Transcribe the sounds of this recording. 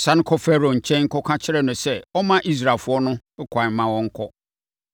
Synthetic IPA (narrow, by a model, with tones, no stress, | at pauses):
sã˦ñ˦kʰɔ˦fɛ˦ɾo˨ɲ̩˨t͡ɕʰɛ̃˦nŋ̩˦kɔ˦kʰã˦t͡ɕʰɪ˦ɾɛ˨nʊ̃˨sɛ˦ɔ˦mã˦ʔi˦s̬ɾa˨fʊ˦ɔ˦nʊ̃˦kʰa˨m˦mã˦wɔ̃˦ŋ̩˦kʰɔ˦